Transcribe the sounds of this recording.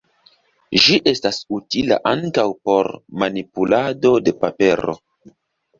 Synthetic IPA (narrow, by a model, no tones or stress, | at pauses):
ʒiʔe̞stasutila̰ʔaŋkawpo̞ɾmanipulado̞de̞pape̞ɾo̞̰